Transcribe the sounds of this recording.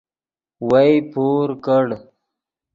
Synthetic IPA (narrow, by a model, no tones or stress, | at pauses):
wajpoːɾkəɽ